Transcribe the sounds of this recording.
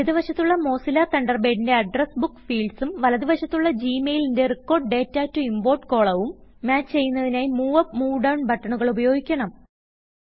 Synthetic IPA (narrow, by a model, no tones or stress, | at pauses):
ɐðiʋɐɕɐt̪ːuɭːɐmo̞ːsilaːt̪ɐɳɖɐrbe̞ːɽinde̞ɐɖresbukːfiːɖsumʋɐlɐðiʋɐɕɐt̪ːuɭːɐd͡ʑiːmeːjlinde̞rikːo̞ːrɖ̚ɖe̞ːtːaːtːuimbo̞ːʈko̞ːɭɐʋumːaːt͡ɕːt͡ɕe̞jːunːɐðinaːjmuːɐpmuːɖɐwɳbʱɐʈːɐɳuɣɐɭubɐjo̞ːɡikʲːɐɳɐm